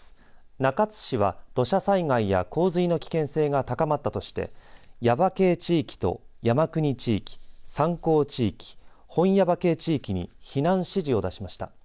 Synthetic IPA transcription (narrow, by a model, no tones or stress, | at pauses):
nakat͡sɨ̥ɕiβad̪̥o̞ɕasaiŋaija̰ko̞ːzɨino̞kʲi̥kẽ̞ɰ̃se̞ːɡat̪akamat̪ːat̪o̞ɕi̥t̪e̞̰jabake̞ːt͡ɕiːkʲi̥t̪o̞̰jamakɯ̟ɲ̟it͡ɕiːkʲi̥sãŋko̞ːt͡ɕiːkʲi̥hõ̞ɰ̃jabake̞ːt͡ɕiːkʲiɲ̟ḭçinãɰ̃ɕiʑio̞d̪aɕimaɕi̥t̪a̰